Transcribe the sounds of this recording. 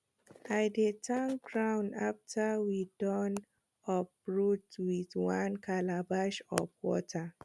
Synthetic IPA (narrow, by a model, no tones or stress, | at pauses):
ajdetʰanɡɹãʊ̃ndaftʰəwidɔn | ɔpɹutwiðwãnkʰalabaʃɔ̰fwɔ̰tʰə